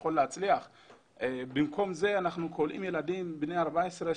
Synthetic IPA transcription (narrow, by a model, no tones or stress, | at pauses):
o̞lːeat͡sliaχ | bimko̞mze̞anaχnukʰolʔḭmje̞lad̪imbnejaʁbaesʁe